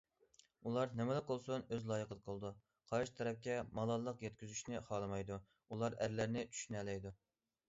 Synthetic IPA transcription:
ulˠɑɾnɪmɛlɨq̚olˠsunøzlˠɑːjəqʰəd̪əqʰəlˠɨd̪u | qʰɑɾʃt̪ʰɛɾɛp̚kʲɛmɑlˠɑlˠːəqjɛt̪kʲyzyʃnɪχɑːlˠɨmɑjd̪u | ulˠɑɾæɾlæɾnɪt͡ʃʰy̥ʃynɛlɛjd̪u

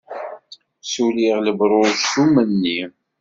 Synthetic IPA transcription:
suliʁləbɾˤoɾzθumənːi

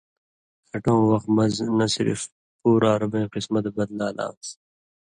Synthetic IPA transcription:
kʰɐʈõːwɐxt̪mnɐsiɾḭf | puːɾaːɾubẽːqismɐt̪bɐd̪laːlã̰ːs

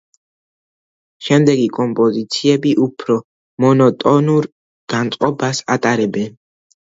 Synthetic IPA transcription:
ʃɛmd̪ɛɡikʼɔmpʼɔzit̪sʰiɛbiʔupʰɾɔ | mɔnɔt̪ʼɔnuɾ | ɡ̥ant̪sʼqʼɔbasat̪ʼaɾɛbɛn

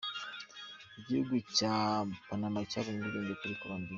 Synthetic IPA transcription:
iɟihuɡucapanamacaβumuɾiɾeːɲbekuɾikuβambi

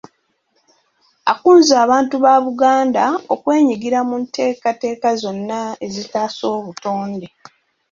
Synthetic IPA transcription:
akuːnzaːβaːntuβaːβuɡaːndaokwe̞ːɲiɡiɾamuntʰe̞ːkate̞ːkazo̞nːae̞zitaːso̞ːβutoːnde̞

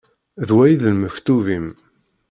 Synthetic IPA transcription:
ðwæjiðəlməft̪uvim

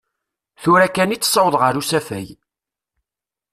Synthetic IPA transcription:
θuɾækːænit͡sːsˤːɑwəðˤʁəɾusæfæ̰j

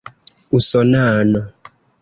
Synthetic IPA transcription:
usɔnaːnɔ

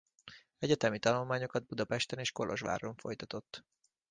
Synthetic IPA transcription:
ɛɟɛt̪ɛmit̪ɒnulmaːɲo̞kɒd̪̚bud̪ɒpɛʃt̪ɛneːʃko̞lʔo̞̰ʒʋa̰ːɾoɱfo̞̰jt̪ɒt̪o̞t̪ː

